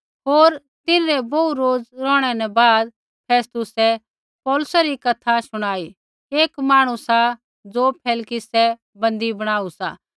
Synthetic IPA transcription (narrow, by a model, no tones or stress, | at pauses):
ɦoːɾ | t̪ɪnɾɛboːuɾoːd͡zɾɔːɽ̃ɛnɛbaːd̪ | pʰeːst̪ʊsɛ | pɔːlʊsɛɾikɐt̪ʰasʊɽ̃aːi | eːkmaːɽ̃usa | d͡zopʰeːlkɪsɛ | bɐ̃nd̪ibɐɽ̃aːusaː